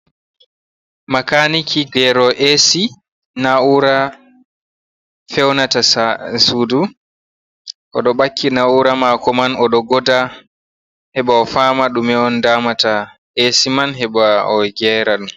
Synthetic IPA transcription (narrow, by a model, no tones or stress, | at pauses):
makanikʰiɡɛɾɔʔesi | nauɾa | fɛwnatassudu | ʔɔ̰ɗɔɓakːinauɾamakɔmanɔɗɔɡɔda | hɛɓaɔfaːmaɗumɛɔndaːmata | esimanɦɛɓaɔɡɛɾaɗum